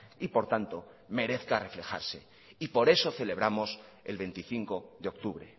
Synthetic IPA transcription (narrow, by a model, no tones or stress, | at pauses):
ipo̞ɾt̪ant̪o̞ | me̞ɾe̞θkare̞fle̞xa̰ɾse̞̰ | ipo̞ɾe̞so̞θe̞le̞βɾamo̞s | ḛlβe̞nt̪iθiŋko̞ðeo̞k̚t̪uβɾe̞̰